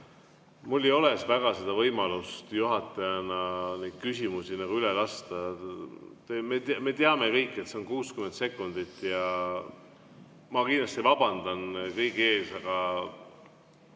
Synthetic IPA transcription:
mulːejo̞le̞svæɡ̥ɑsed̪ɑvɤjmɑlust̪juɦɑt̪ːˑɑjɑnɑnejd̪̥̚kysimusinɑɡ̥uylelɑst̪ɑ | t̪emet̪me̞t̪eɑme̞kɤjkːˑe̞t̪seo̞nkuːskyment̪se̞kːˑund̪̥it̪ːˑjɑ | mɑkinlɑst̪ivɑb̥ɑnd̪ɑnkɤjɡe̞ːsɑɡ̥ɑ

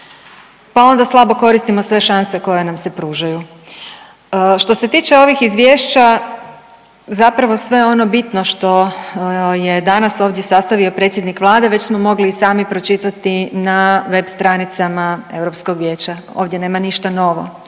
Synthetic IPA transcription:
pao̞nd̪aslˠabo̞ko̞ɾist̪imo̞sʋe̞ʃanse̞ko̞je̞namse̞pɾuːʒaju | ʃt̪o̞se̞t̪iːt͡ʃe̞o̞ʋixizʋjeːʃt͡ɕa | zapɾaʋo̞sʋe̞o̞no̞bit̪no̞ʃt̪o̞ | je̞d̪anaso̞ːʋd̪je̞sast̪aʋio̞pɾe̞t̪sje̞d̪nikʋlˠaːd̪e̞ʋe̞t͡ɕsmo̞mo̞ɡliːsaːmipɾo̞t͡ʃit̪at̪inaʋe̞bst̪ɾanit̪samae̞̰ʋɾo̞psko̞ɡʋje̞ːt͡ɕa | o̞ːʋd̪ʲje̞ne̞ːmaniʃt̪ano̞ʋo̞̰

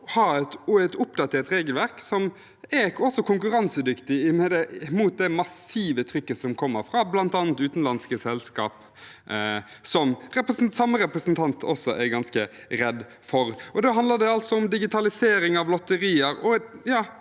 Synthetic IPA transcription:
hɑːæt̪æt̪ʊpd̪ɑt̪ʰeːɾt̪ɾeːɡəlʋæɾksɔm | ɛɔsɔkʰʊŋkʉɾɑnsəd̪ʏkt̪ɪɪmɛd̪ɛmuːt̪̚d̪ɛmɑsiːʋət̪ʰɾʏkːəsɔmkʰɔmːəɾfɾɑblɑnt̪ɑːnt̪ʉːt̪n̩lɑnskəsɛlskɑ̰ːp | sɔmɾɛpɾəsn̩sɑmːəɾɛpɾəsnt̪ʰɑnt̪ʰɔsɔʔɛɾɡɑnskəɾɛd̪ | fɔɾʔɔd̪ɛɑnd̪ləd̪ɛɑlt̪sɔʊmd̪ɪɡɪt̪ʰɑlɪseːɾɪŋɑʋlɔt̪ːəɾiːəɾɔjɑː

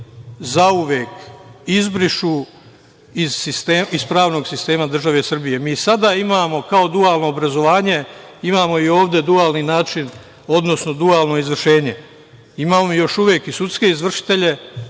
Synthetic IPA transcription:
zauʋjeːkizbɾiʃu | iz̥sist̪eːizpɾaːʋno̞ɡsist̪e̞ːmad̪r̩ʒaʋe̞sr̩bije̞miːsad̪aːimaːmo̞kao̞d̪uaːlˠno̞ːbɾazo̞ʋaːɲe̞imaːmo̞io̞ːʋd̪e̞d̪uaːlˠninaːt͡ʃin | o̞d̪no̞sno̞d̪uaːlˠno̞izʋr̩ʃe̞ːɲe̞ | imaːmoijo̞ʃuʋjeːkisut̪ske̞izʋr̩ʃi̥t̪e̞ʎe̞

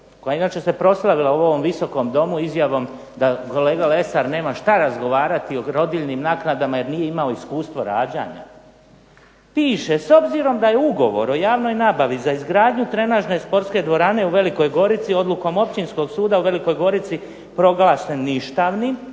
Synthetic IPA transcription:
kojainaːt͡ʃe̞se̞pɾo̞slˠaʋilauo̞ʋo̞mʋiso̞ko̞md̪o̞muizjaʋo̞m | d̪ako̞le̞ːɡale̞saɾne̞ːmaʃt̪aɾazɡo̞ʋaːɾat̪ioɾo̞d̪iʎnimnaːknad̪amaje̞ɾnije̞imao̞iskuːst̪ʋoɾa̰ːd͡ʑa̰ɲa̰ | piːʃeso̞bziɾo̞md̪ajeuɡo̞ʋo̞̰ɾo̞jaːʋno̞jnaːbaʋizaizɡɾaːd̪ɲut̪ɾe̞naʒne̞spo̞ɾt̪ske̞d̪ʋo̞ɾane̞uʋe̞liko̞jɡo̞ɾit̪sio̞d̪lˠuko̞mo̞pt͡ɕinsko̞ɡsuːd̪auʋe̞liko̞jɡo̞ɾit̪si | pɾo̞ɡlaːsenːiʃt̪aʋni

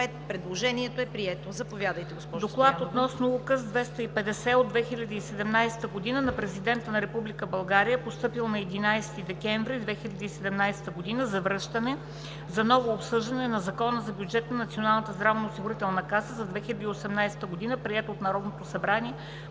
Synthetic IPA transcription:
ɛt̪pɾɛd̪lˠoʒɛniɛt̪oɛpɾiɛt̪ozɐpovjad̪əjt̪ɛɡospɔʒd̪oklˠat̪ot̪nɔsnokəzd̪vɛst̪əipɛd̪ɛsɛod̪vɛxilʲɐd̪iːsɛd̪ɛmnajsɛ̥t̪əɡod̪inənɐpɾɛzid̪ɛnt̪ənɐɾɛpublikəbɐlˠɡaɾijəpost̪ɤpilˠnɐɛd̪inajst̪id̪ɛkɛɱvɾid̪vɛxilʲɐd̪iːsɛd̪ɛmnajsɛ̥t̪əɡod̪inəzɐvɾɤʃt̪ənɛ | zɐnɔvoːpsɤʒd̪ɐnɛnɐzɐkɔnəzɐbjud͡ʒɛt̪nɐnɐt̪sionalˠnət̪əzd̪ɾavnoosiɡuɾit̪ɛlˠnɐkasəzɐd̪vɛxilʲɐd̪iːosɛmnajsɛ̥t̪əɡod̪inəpɾiɛt̪oot̪nɐɾɔd̪not̪osɐbɾaniɛ

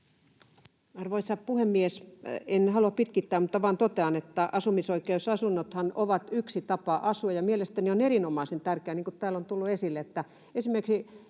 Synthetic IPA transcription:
ɑrʋoisɑppuhemːiesenhɑluɑppit̪kit̪ːæːmmut̪ːɑʋɑːnt̪ot̪eɑnet̪ːæʔɑsumisoikeusɑsunːot̪hɑnoʋɑt̪yksit̪ɑpɑʔɑsuɑjɑmielest̪ænionerinomɑˑisent̪ærkeæniːŋkut̪t̪æːlːont̪ulːuesilːeet̪ːæ | esimerksi

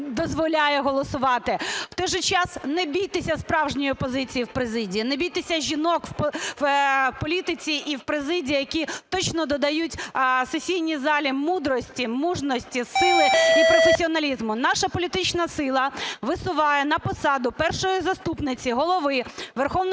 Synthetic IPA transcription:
d̪ɔzʋɔlʲajɛɦɔlˠɔsʊʋɑt̪ɪw̥t̪ɔjʒɛt͡ʃɑsnɛbʲijt̪ɪsʲɐspɾɑwʒnʲɔjʊpɔzɪt͡sʲijiwpɾezɪdʲijinɛbʲijt̪ɪsʲɐʒʲinɔkw | pɔlʲit̪ɪt͡sʲiʔiwpɾɪzɪdʲiijɐkʲit̪ɔt͡ʃnɔd̪ɔd̪ɐjutʲsesʲijnʲizɑlʲimud̪ɾɔsʲtʲimuʒnɔsʲtʲisɪlˠɪipɾɔfesʲiɔnɐlʲizmʊnɑʃɐpɔlʲit̪ɪt͡ʃnɐsɪlˠɐʋɪsʊʋɑjɛnɐpɔsɑd̪ʊpɛrʃɔjizɐst̪upnɪt͡sʲiɦɔlˠɔʋɪʋɛrxɔʋnɔ

